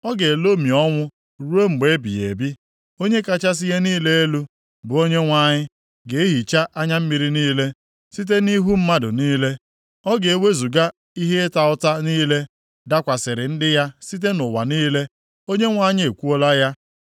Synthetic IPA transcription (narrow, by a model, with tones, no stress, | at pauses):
ɔ˦ɡe˨lo˦mi˨ɔ˦ŋʷʊ˦ | ɾu˦e˦m̩˨ɡ͡be˨˦bḭ˨jḛ˨bi˦ | o˦ɲe˦ka˦t͡ʃa˦s̬ɪ˦je˦niː˦le˦e˦lu˦ | bʊ˨o˦ɲe˦ŋʷa˦˨ɲɪ˦ | ɡe˨˦e˦ɦi˨t͡ʃa˦ʔa˦ɲa˦m̩˦mi˨ɾi˦niː˦le˦ | si˦t̬e˦ni˦ɦu˦m̩˦ma˦dʊ˨niː˦le˦ | ɔ˦ɡe˨e˨we˦zu˨ɡa˦ | i˦ɦe˦e˦ta˨ʊ˦ta˦niː˦le˦ | da˦kʷa˨sɪ˨ɾɪ˨n̩˦dɪ˦ja˦si˦t̬e˦nʊ˨wa̰˨niː˦le˦ | o˦ɲe˦ŋʷa˦˨ɲɪ˦e˨kʷu˦o˦la˦ja˦